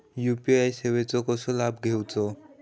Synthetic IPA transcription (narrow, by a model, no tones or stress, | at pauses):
jupiajseʋet͡sɔkɔsɔlabɡʱewt͡sɔ